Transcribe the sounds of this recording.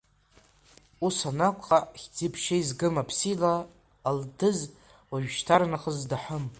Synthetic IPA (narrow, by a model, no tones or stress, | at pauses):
usanakʷʰʼχaχʲd͡zipʰʃaizɡɨmapʰsilaː | ldɨz | waʒᶣʃtʰaɾnaχəzdaħʷəm